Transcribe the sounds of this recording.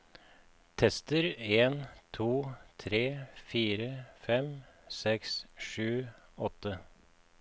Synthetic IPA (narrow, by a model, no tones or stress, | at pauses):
t̪ʰɛst̪əɾeːnt̪ʰuːt̪ʰɾeːfiːɾəfɛmsɛksʂʉːɔt̪ə